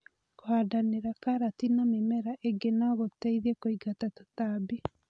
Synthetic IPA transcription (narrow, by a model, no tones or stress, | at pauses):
kohadaneɾakaɾatinamemɛɾaʔeɡenaɣotɛiðiɛkoiɡatato̥tabi